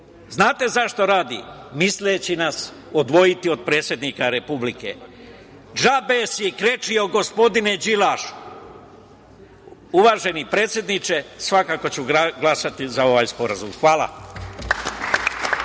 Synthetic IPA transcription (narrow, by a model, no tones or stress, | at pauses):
znaːt̪e̞zaʃt̪o̞ɾaːd̪ḭmislet͡ɕinas | od̪ʋo̞jit̪io̞d̪̚pɾe̞ːt̪sʲje̞d̪nikaɾe̞publikḛ | d͡ʒabesjekɾet͡ʃio̞ɡo̞spo̞d̪ined͡ʑilaʃ | uʋaːʒe̞nipɾeːt̪sje̞d̪nit͡ʃe̞sʋakaːko̞t͡ɕuɡlasat̪izao̞ʋaːjspo̞ɾazumxʋaːla̰